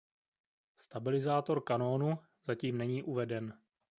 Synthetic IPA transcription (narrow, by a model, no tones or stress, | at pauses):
st̪abɪlɪzaːt̪o̞ɾkano̞ːnu | z̥aciːmnɛɲiːʔuvɛdɛn